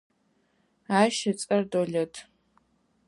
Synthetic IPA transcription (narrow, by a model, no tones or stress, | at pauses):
aːʃɐt͡sʼɐrdoɮetʰ